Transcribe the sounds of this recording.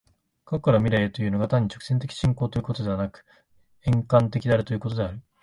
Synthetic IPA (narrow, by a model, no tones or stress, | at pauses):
kokːaɾomʲiɾeet̪o̞jɯ̟ːno̞ɡat̪ãɲ̟ːit͡ɕo̞kɯ̟̥se̞nt̪̬e̞kʲi̥ɕĩŋko̞ːt̪ojɯ̟ko̞t̪o̞d̪e̞βanakɯ̟̥ | ẽŋkãnt̪e̞kʲid̪eaɾɯt̪o̞jɯ̟ko̞t̪o̞d̪e̞aɾɯ̟